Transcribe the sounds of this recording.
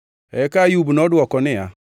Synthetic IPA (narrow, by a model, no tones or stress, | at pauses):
ɛkajubnɔdwɔkɔnɪa̰